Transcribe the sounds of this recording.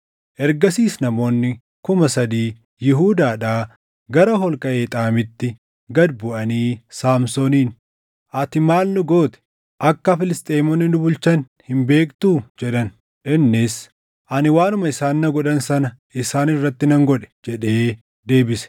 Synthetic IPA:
ʔɛɾɡɐsiːsnɐmo̞ːnːɪ | kʊmɐsɐd̪iː | jɪɦuːd̪aːᶑaː | ɡɐɾɐɦɔlkʼɐʔe̞ːt̪ʼaːmɪt̪ːɪ | ɡɐd̪bʊʔɐniːsaːmsoːniːn | ʔɐt̪ɪmaːlnʊɡoːt̪ɛ̥ | ʔɐkːɐfɪlɪst̪ʼeːmɔnːɪnʊbʊlt͡ʃɐn | hɪmbe̞ːkt̪uːd͡ʒɛᶑɐn | ʔɪnːɪs | ʔɐnɪwaːnʊmɐɪsaːnːɐɡɔᶑɐnsɐnɐʔɪsaːnɪrːɐt̪ːɪnɐŋɡɔᶑɛ̥d͡ʒɛᶑe̞ː | d̪e̞ːbɪsɛ̥

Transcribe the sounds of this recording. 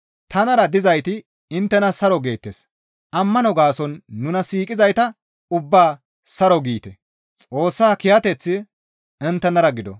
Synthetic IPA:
t̪ɐnɐɾɐd̪ɪzɐjt̪ɪ | ɪnt̪ːɛnɐsɐɾɔɡe̞ːt̪ːeːs | ʔɐmːɐnɔɡaːsɔnːʊnɐsiːkʼɪzɐjt̪ɐ | ʊbːaː | sɐɾɔɡiːt̪ɛ | t͡sʼo̞ːsːaːkɪjɐt̪ɛt͡sːɪ | ɛnt̪ːɛnɐɾɐɡɪd̪ɔ̰

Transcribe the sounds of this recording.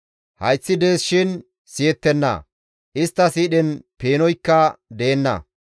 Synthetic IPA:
hɐjt͡sːɪd̪e̞ːsʃɪn | sɪjɛt̪ːɛnːɐ̰ | ʔɪst̪ːɐsiːɗɛnpeːnɔjkːɐd̪eːnːɐ̰

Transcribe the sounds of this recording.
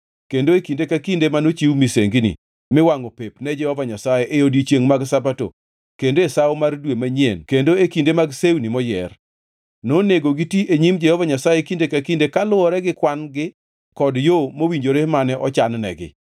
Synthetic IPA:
kendoekindekakindemanot͡ʃiwmisḛŋɡinḭ | mɪwaŋɔpepnɛd͡ʒɛhɔvaɲasajeʔejodit͡ʃjeŋmaɡsabato̰ | kendoesawmardwemaɲjenkendoekindemaɡsewnimɔjɛ̰r | noneɡoɡitiʔeɲimd͡ʒɛhɔvaɲasajekindekakindekalʊɔɾɛɡɪkwanɡɪ | kɔdjomowiɲd͡ʒoɾemanɛʔɔt͡ʃannɛ̰ɡɪ̰

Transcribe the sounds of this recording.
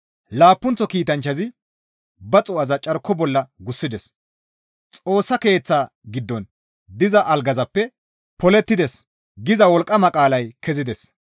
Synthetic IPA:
laːpːʊnt͡sːɔkiːt̪ɐnt͡ʃːɐzɪ | bɐt͡sʼʊɐzɐt͡ʃʼɐɾkːɔbɔlːɐɡʊsːɪd̪ɛs | t͡sʼo̞ːsːɐke̞ːt͡sːaː | ɡɪd̪ːɔn | d̪ɪzɐʔɐlɡɐzɐpːɛ | pɔlɛt̪ːɪd̪ɛs | ɡɪzɐwɔlkʼːɐmɐkʼaːlɐjkʰɛzɪd̪ɛs

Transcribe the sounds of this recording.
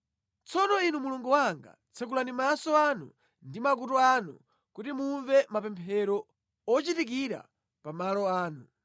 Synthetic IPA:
t͡sɔnɔinumuluŋɡuwaŋɡa̰ | t͡sʰɛk̬ulandimasɔanṵ | ndimak̬utɔanṵ | kutimuɱvɛmapɛmpʰɛɾɔ | ɔt͡ʃitik̬iɾa̰ | pamalɔaːnu

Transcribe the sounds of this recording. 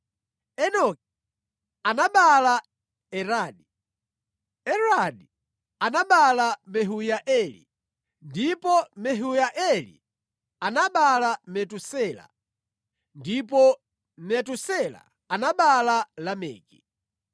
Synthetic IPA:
ɛnɔki | anaɓala | ɛɾaːdi | ɛɾaɗi | anaɓalamɛɦujaʔɛlḭ | ndipɔmɛɦujaʔɛlḭ | anaɓalamɛtusɛla̰ | ndipɔ | mɛtusɛla̰ | anaɓalalamɛ̰ːki

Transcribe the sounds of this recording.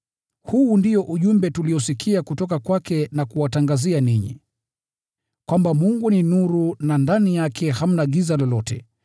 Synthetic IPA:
huːndijɔʔuʄumbɛtuliɔsikʰiakutɔkakwakɛnakuwataŋɡazianiɲḭ | kwambamuŋɡuninuɾunandanijakʰɛham̩naɠizalɔlɔtɛ̰

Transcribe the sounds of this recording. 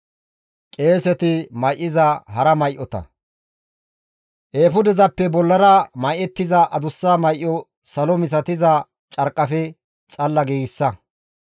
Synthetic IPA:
kʼe̞ːsɛt̪ɪmɐjʔɪzɐɦɐɾɐmɐjʔɔt̪ɐ̰ | ʔe̞ːfʊd̪ɛzɐpːɛbɔlːɐɾɐmɐjʔɛt̪ːɪzɐʔɐd̪ʊsːaːmɐjʔːɔ | sɐlɔmɪs̬ɐt̪ɪzɐ | t͡ʃʼɐɾkʼːɐfɛ | t͡sʼɐlːɐɡeːɡɪsːɐ

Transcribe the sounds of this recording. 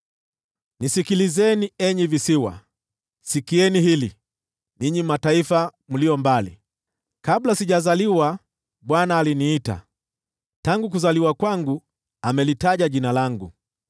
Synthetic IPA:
nisikilizɛniɛɲivisiwa̰ | sikiɛniɦili | niɲimataifam̩lijɔmbalḭ | kablasiʄazaliwa | ɓwanaːliniita̰ | taŋɡuk̬uzaliwakwaŋɡu | amɛlitaʄaʄinalaŋɡṵ

